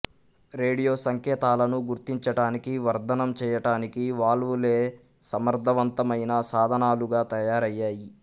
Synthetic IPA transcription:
ɾeːɽijo̞ːsɐŋkɛːt̪aːlɐnuɡuɾt̪iɲt͡ʃɐʈaːnikiʋɐɾd̪ʱɐnɐmt͡ʃɛːjɐʈaːnikiʋaːlule̞ː | sɐmɐɾd̪ʱɐʋɐnt̪ɐmɐjnɐsaːd̪ʱɐnaːluɡaːt̪ɐjaːɾɐjːaːji

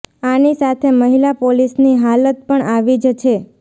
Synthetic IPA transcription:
anisat̪ʰeməɦilapolisniɦalət̪̚pəɳaʋid͡ʒt͡ʃʰe

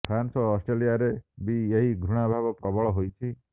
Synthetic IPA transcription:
pʰɾansɔːsʈɾelijaɾebieɦiɡʱɾuɽ̃abʱabɔpɾɔbɔɭɔɦojt͡ʃʰi

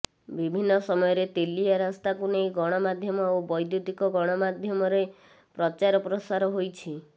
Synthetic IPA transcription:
bibʱinːɔsɔmɔjɔɾet̪eliaɾast̪akunejɡɔɽ̃ɔmad̪ʱjɔmɔobɔjd̪jud̪ikɔɡɔɽ̃ɔmad̪ʱjɔmɔɾe | pɾɔt͡ʃaɾɔpɾɔsaɾɔɦojt͡ʃʰi

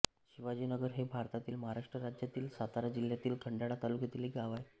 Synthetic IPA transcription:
ɕiʋad͡ʑiːnəɡəɾɦebʱaɾt̪at̪iːlməɦaɾaʂʈɾəɾad͡ʑjat̪iːlsat̪aɾad͡ʑil̤jat̪iːlkʰəɳɖaɽat̪alukjet̪iliɡaʋaj

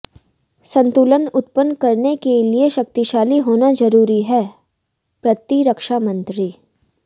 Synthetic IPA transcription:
sɐ̃nt̪uːlənʊt̪̚pənkɐɾnekelieʃɐk̚t̪iʃaːliɦoːnazɐɾuːɾiɦɛː | pɾɐt̪iɾɐkʃamɐ̃nt̪ɾi

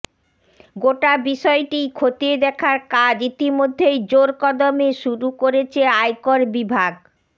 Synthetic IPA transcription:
ɡoʈabiʃɔeʈijkʰot̪ied̪ɛkʰaɾkad͡ʑit̪imod̪ʱːejd͡ʑoɾkɔd̪omeʃuɾukoɾet͡ɕʰeajkoɾbibʱaɡ

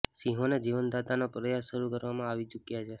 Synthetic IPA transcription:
sĩɦoned͡ʒiʋənd̪at̪anopɾəjasʃəɾukəɾʋamãaʋit͡ʃukjat͡ʃʰe

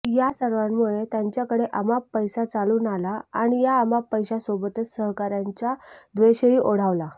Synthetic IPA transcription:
jasəɾʋamːuɭet̪jaɲt͡ɕjakəɽeʔəmapːəjsat͡saluːnalaa̰ɽ̃ijaəmapːəjɕasobət̪əsəɦkaɾjaɲt͡ɕjad̪ʋeɕəiːʔoɽ̤aʋla

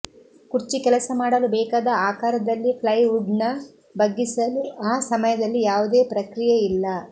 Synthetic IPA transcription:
kuɾt͡ʃikɛlɐsɐmaːɽɐlubɛːkaːd̪ɐaːkaːɾɐd̪ɐlːiplɐjuɖnɐ | bɐɡːisɐluaːsɐmɐjɐd̪ɐlːijaːʋud̪e̞ːpɾɐkɾijɐilːɐ

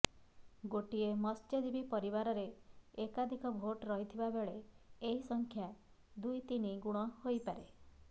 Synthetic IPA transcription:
ɡoʈiemɔsted̪ibipɔɾibaɾɔɾeːkad̪ʱikɔbʱoʈɾɔɦit̪ʰibabeɭeeɦisɔŋkʰja | d̪ujt̪iniɡuɽ̃ɔhojpaɾe

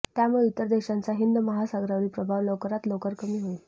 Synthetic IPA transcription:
t̪jamuɭeut̪ːəɾd̪eɕant͡saɦind̪məɦasaɡɾaʋɭiːpɾəbʱaʋlokəɾat̪lokəɾkəmiːɦoil

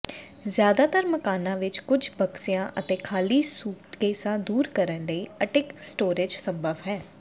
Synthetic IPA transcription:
zjaːd̪aːt̪əɾməkaːnãːʋɪt͡ʃkʊd͡ʒbəksɪjãːʔət̪eːkʰaːliːsuːʈkeːsãːd̪uːɾkəɾənləiːəʈɪksʈoːɾɪd͡ʒsəbəʋɦɛː

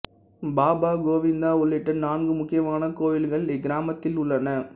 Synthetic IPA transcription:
baːbaːɡoːʋɪnd̪aːʊɭːɪʈːɐnaːnɡɯmʊkːɪjɐmaːnɐkoːjɪlɣɐɭɪɡɪɾaːmɐt̪ːɪlʊɭːɐnɐ

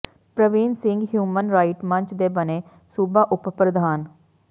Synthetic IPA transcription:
pɾəʋiːnsɪŋɡɦjuːmənɾaːiʈmə̃ɲt͡ʃd̪eːbəneː | suːbaːʔʊppɾəd̪aːn

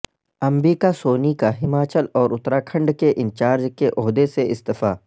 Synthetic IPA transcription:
ɐmɾiːkasoːnikaɦɪmaːt͡ʃəlɔːɾʊt̪ɾakʰɐ̃ɳɖkeʔɪ̃nt͡ʃaːɾd͡ʒkeʔʊɦd̪eseɪst̪ɪfa̰ː

